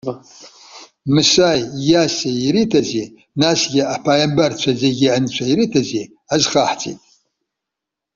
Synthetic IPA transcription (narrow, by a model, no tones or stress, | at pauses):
mɨsajjaseiɾitʰaze | nasɡʲɪapʰajambart͡ʃʷʰazeɡʲɪant͡ʃʷʰaiɾitʰaze | azχaħt͡sʼḭtʼ